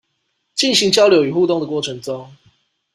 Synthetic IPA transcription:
t͡ɕi˥˨nɕi˨˦ŋt͡ɕjɑ˥˦ʊljo˨˦ʊy˨˩xu˥˧t̪ʊ˥˨ŋd̪ə˨kwɔ˥˩ʈ͡ʂʰɤ˨˦ŋʈ͡ʂo˦ŋ

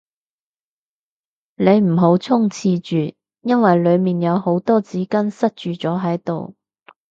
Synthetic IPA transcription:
ne˨˧jm̩˨˩ɦo˨˥wt͡sʰʊ˥ŋt͡sʰiː˧t͡ʃyː˨ | jɐ˥nwɐ˨jlɵ˨˧ɥmiː˨njɐ˨˧who˨˥wt̪ɔː˥t͡siː˨˥kɐ˥nsɐ˥t̚t͡ʃyː˨˩t͡sɔː˨˥ɦɐ˨˥jt̪o̰˨w

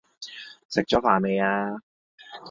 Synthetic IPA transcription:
sɪ˨˩k̚t͡ɕɔː˨˥faː˨˩me˨˧jaː˧

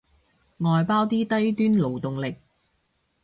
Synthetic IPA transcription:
ŋɔː˨jpaː˥wt̪iː˥t̪ɐ˥jt̪yː˥nlo˨wt̪ʊ˨ŋlɪ˨k̚

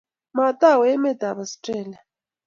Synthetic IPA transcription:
ma˨t̪ʼa˦˨wɛɛ˦mɛ˦t̪a˨βastʼɛː˨lia˨

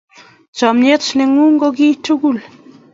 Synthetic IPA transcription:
t͡ʃɔ˨mɲe˦t͡ʃnɪ˨ŋu˦ŋɡo˦ɡi˦tu˦ɡu˦˨l

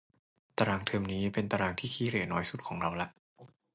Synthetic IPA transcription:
t̪a˧ɾaː˧ŋt̪ʰɤː˧mniː˦˥pe˧nt̪a˧ɾaː˧ŋt̪ʰiː˥˩kʰiː˦˥ɾeː˨˩tnɔː˦˥jsu˨˩t̪̚kʰɔː˩˦ŋɾa˧wla˦˥ʔ

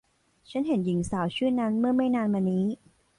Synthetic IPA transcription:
t͡ɕʰa˦˥nɦe˩˦nji˩˦ŋsaː˩˦wt͡ɕʰɯː˥˩nːa˦˥nmɯ˥˩ɐma˥˩jnaː˧nmaː˧nːiː˦˥

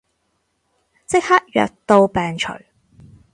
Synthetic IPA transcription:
t͡sɪ˥k̚ha˥t̚jœ̰ː˨k̚t̪o˧wpɛː˨ŋt͡ʃʰɵ̰˨˩ɥ

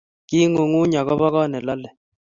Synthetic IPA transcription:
ki˦ŋo˨ŋu˦ɲa˨ɣɔ˦ba˦ɣɔ˦nɛ˨la˦lɛ˨

